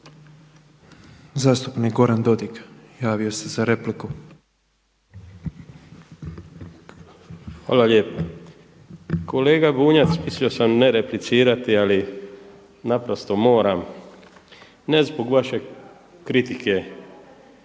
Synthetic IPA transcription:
zaːst̪upnikɡo̞ɾand̪o̞d̪ikjaːʋiosezaɾe̞pliku | xa̰ːlalje̞ːpa | kʰo̞le̞ːɡabuːɲat̪smisio̞samneɾeplit̪siːɾat̪iali | napɾost̪o̞mo̞ːɾam | ne̞zboɡʋaʃe̞ | kɾit̪ike̞

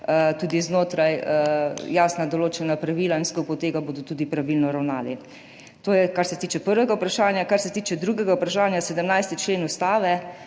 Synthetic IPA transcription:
t̪uːd̪iznoːt̪ɾajəjaːsnad̪ɔloːt͡ʃɛnapɾaʋiːlainskupɔt̪eːɡaboːd̪ɔt̪uːd̪ipɾaʋilnɔɾawnaːli | t̪oːjɛkaɾsɛt̪iːt͡ʃɛpəɾʋɛɡaupɾaʃaːnjakaɾsɛt̪iːt͡ʃɛd̪ɾuːɡɛɡaupɾaʃaːnjasɛd̪əmnajst̪it͡ʃleːnust̪aːʋɛ

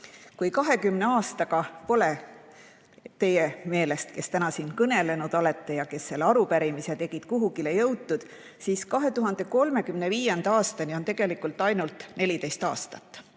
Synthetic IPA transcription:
kujkɑɦe̞kymne̞ɑːst̪ɑɡɑpo̞le | t̪e̞jeme̞ːle̞st̪ke̞st̪ænɑsiːnkɤne̞le̞nud̪̥o̞le̞t̪ˑːe̞jɑke̞sːe̞lːeɑɾupæɾimiset̪e̞ɡ̥id̪̥kuɦuɡile̞jɤwt̪ːud̪̥ | siːskɑɦe̞t̪uɦɑnd̪̥e̞ko̞lme̞kymne̞viːjend̪̥ɑɑːst̪ɑnio̞nt̪e̞ɡ̥e̞likːˑult̪ːˑɑjnult̪ˑne̞lit̪e̞jst̪ɑ̰ːst̪ɑt̪ːˑ

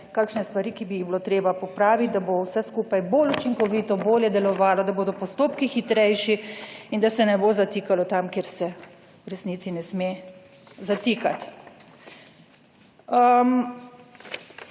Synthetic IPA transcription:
kaːkʃnɛst̪ʋaɾiːkibijiɣbilot̪ɾeːbapɔpɾaːʋit̪̚d̪abowsɛskuːpajbolut͡ʃiŋkɔʋit̪ɔboːljɛd̪ɛlɔʋaːlɔd̪aboːd̪ɔpɔst̪oːpkixit̪ɾɛjʃiind̪asɛnɛboːzat̪iːkalɔt̪amkeːɾsɛ | wɾɛsniːt̪sinɛsme | zat̪ikat̪ | əm

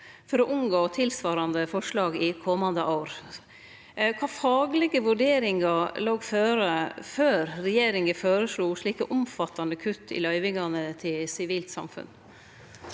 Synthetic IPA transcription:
fɔɾɔʔʊmɡoːt̪ʰɪlsʋɑːɾɑnd̪əfɔʂɭɑːɡɪkʰɔmɑnd̪əʔaːɾ | kʰɑːfɑːɡlɛɡəʋʉɖeːɾɪŋɑloːɡføːɾəføːɾɾɛjeːɾɪŋəføːɾəʂɭuːʂɭiːkəʔʊmfɑt̪ːɑnəkʰʉt̪ʰːɪ̰lœʏʋɪŋɑnət̪ʰɪlsɪʋiːlt̪sɑ̰mfʉ̰n

